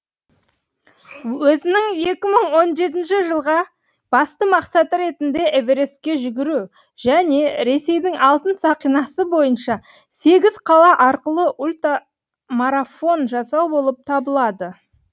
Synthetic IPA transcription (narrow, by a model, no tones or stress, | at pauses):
wɵzɪnɪŋje̞kʲɪməɴwo̞nʒe̞t̪ɪnʃɪʒəlˠʁɑ | b̥ɑst̪əmɑqsɑt̪əɾe̞t̪ɪnd̪e̞ʔeveɾe̞skʲe̞ʒʏɡʲɪɾu | ʒæne̞ɾe̞se̞jd̪ɪŋʔɑlˠt̪ənsɑqijnɑsəbo̞jənʃɑ | se̞ɡʲɪz̥qʰɑlˠɑʔɑɾqəlˠəʔulʲt̪a | maɾafo̞nʒɑsɑwbo̞lˠəp̚t̪ʰɑbəlˠɑd̪ə